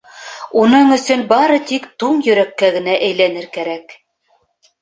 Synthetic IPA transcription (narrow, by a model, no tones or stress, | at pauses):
unɤɴɵ̆sɵnbɑɾɤt̪ikt̪uɴjɵ̆ɾækːæɡɘ̆næʔæjlænɘɾkæɾæk